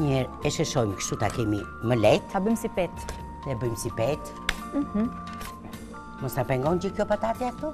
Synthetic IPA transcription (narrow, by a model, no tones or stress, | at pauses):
ɲɛɾɛʃɛʃɔjmkʃt̪ut̪akɛmiməlɛt̪abəjmsipɛt̪ | ðɛbəjmsipɛt̪̩ː | hm̩ | mɔst̪apɛŋɡɔnd͡ʒikjɔpat̪at̪jɛakt̪ɔ